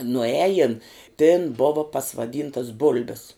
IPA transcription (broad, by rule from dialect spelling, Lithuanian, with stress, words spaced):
nʊˈæːjɪn tʲeːn ˈboːʋɐ pɐsʋɐˈdʲiːntɐs ˈbʊlʲbʲɪs